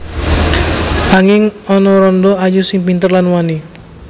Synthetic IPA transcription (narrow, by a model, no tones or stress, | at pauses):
aŋɪŋɔnɔɾɔndɔajusɪŋpint̪ərlanwani